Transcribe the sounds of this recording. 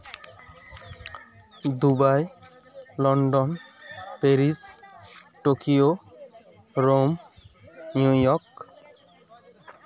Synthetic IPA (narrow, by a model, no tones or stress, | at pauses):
d̪ubaj | lɔɳɖɔnpeɾis | ʈokio | ɾom | nujɔɾk